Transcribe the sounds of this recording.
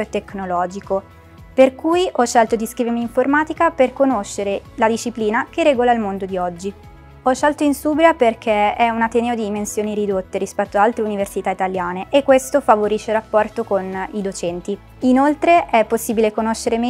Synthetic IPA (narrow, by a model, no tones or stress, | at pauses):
t̪ːeknolɔːd͡ʒiko | perkujʔɔʃːɛlt̪od̪iskɾiveɾmiːɱformaːt̪ikaperkonoʃːeɾelad̪iʃːipliːnakerɛːɡolailmond̪od̪iɔd͡ʒːi | ɔʃːɛlt̪oinsuːbɾiaperkʰeɛunat̪eneːod̪id̪imensjoːniɾid̪ot̪ːeɾispɛt̪ːoaalt̪ɾeuniversit̪ait̪aljaːneʔekːwest̪ofavoɾiʃːerapːɔrt̪okonid̪ot͡ʃɛnt̪i | inolt̪ɾeʔɛpːosːiːbilekonoʃːeɾeme